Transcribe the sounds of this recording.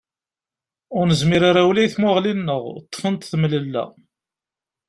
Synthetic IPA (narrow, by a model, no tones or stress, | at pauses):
ʊɾnəzmiɾaɾawlæjθmʊʁlinːəʁt̪ˤːfənt̪θmləlːæ̰